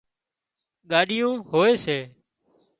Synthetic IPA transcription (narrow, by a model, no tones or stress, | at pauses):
ɠaːɗɪjũːɦoːeːseː